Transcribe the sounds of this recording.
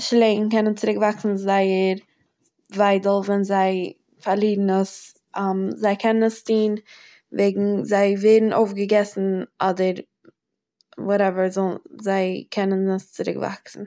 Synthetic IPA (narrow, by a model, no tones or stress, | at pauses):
ʃleɪŋ̩kɛnənt͡sɪɾɪkvaksn̩zaɪəɾ | vaɪdl̩ˠvɛnzaɪ | faɾlˠiːdn̩əs | amzaɪkʰɛnənəstiːn | veːɡŋ̩zaɪveːdn̩ʔo̰ʊfɡəɡɛsn̩ɔdəɾ | wɔɾɛvəɾzɔlzaɪkʰɛnənəst͡sɪɾɪ̰kva̰ksn̩